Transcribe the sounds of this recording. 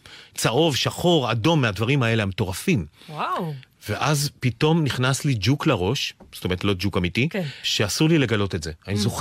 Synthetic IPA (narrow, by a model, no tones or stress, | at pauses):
t͡saʔo̞vʃaχo̞ʁado̞mːeadvaʁimae̞leameto̞ʁafimwa | veʔazpito̞mniχnaslid͡ʒukleʁo̞ʃstome̞ʁtlo̞d͡ʒukamitikʃeasuʁlile̞ɡalo̞te̞tze̞anizoχ